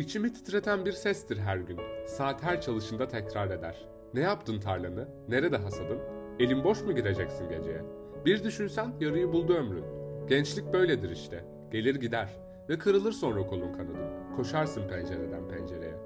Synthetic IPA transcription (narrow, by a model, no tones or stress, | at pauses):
it͡ʃʰimit̪ʰɯ̥t̪ɾe̞t̪ʰænbiɾsɛst̪iɾɦæɾɟynsaːt̪hæɾʲt͡ʃʰalˠɯʃɯnd̪at̪ʰɛcɾaɾe̞d̪æ̰ɾ̥ | nɛjapt̪ʰɯnt̪ʰaɾlʲˠanɯ | ne̞ɾed̪ɛɦasad̪ɯm | e̞lʲimbo̞ʃmuɟiɾe̞d͡ʒɛcsinɟe̞d͡ʒejɛ | biɾd̪yʃynsænjaɾɯjɯbulˠd̪uømɾy̰nɟ̥ɛnt͡ʃlʲic̚bø̞jlʲed̪iɾiʃt̪ʰɛ | ɟ̥e̞lʲiɾɟid̪æɾ̥ | vɛkʰɯɾɯlˠɯɾso̞nɾakʰo̞lˠumkʰanɯd̪ɯmkʰo̞ʃaɾsɯnpʰɛnd͡ʒe̞ɾed̪ænpʰɛnd͡ʒe̞ɾe̞̰jɛ